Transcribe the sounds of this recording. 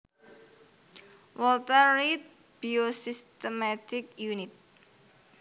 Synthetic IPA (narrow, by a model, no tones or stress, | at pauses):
wɔlt̪aɾit̪̚ | b̥iosist̪əmat̪ɪkjunɪt̪̚